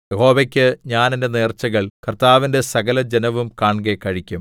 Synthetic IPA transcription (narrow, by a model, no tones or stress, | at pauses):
jeho̞ːʋɐkʲːɨɲaːnende̞ne̞ːrt͡ɕːɐɣɐɭkɐrt̪aːʋinde̞sɐɣɐlɐd͡ʑenɐʋumkaːɳɡekːɐɻikʲːum